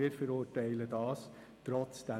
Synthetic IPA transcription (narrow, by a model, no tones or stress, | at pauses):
ɪːɾfəɾuːtɛɪlədɑːs | tɾɔt͡sd̥ɛ